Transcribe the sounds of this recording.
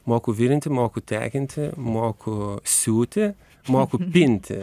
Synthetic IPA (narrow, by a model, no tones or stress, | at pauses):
moːkʊʋʲɪɾʲɪnt̪ʲɪmoːkʊt̪ʲæ̰ːkʲɪnʲt̪ʲɪmoːkʊsʲuːt̪ʲɪ | moːkʊpʲɪnʲt̪ʲɪ̰